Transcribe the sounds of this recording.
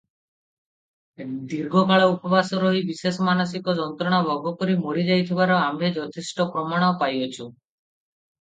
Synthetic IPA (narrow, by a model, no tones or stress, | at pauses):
d̪iɾɡʱɔkaɭɔupɔbʱasɔɾɔɦibisesɔmanɔs̬ikɔd͡ʒɔnt̪ɾɔɽ̃abʱɔɡɔkɔɾimoɾid͡ʒajt̪ʰibaɾɔambʱed͡ʒɔt̪ʰesʈɔpɾɔmaɽ̃ɔpajɔt͡ʃʰu